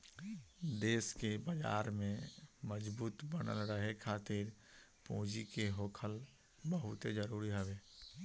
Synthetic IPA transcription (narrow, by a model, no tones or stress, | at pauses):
d̪eːskebad͡ʒa̰ːɾmẽməd͡ʒbuːt̪bənə̰lɾəɦekʰaːt̪ɪɾpõːd͡ʒikeɦoːkʰəl | bəɦʊt̪ed͡ʒəɾuːɾiɦɛʋeː